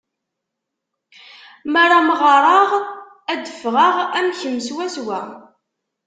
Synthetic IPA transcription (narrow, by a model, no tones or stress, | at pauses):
maɾˤamʁəɾˤɑʁ | æd̪əfʁəʁæmçəmːswæswæ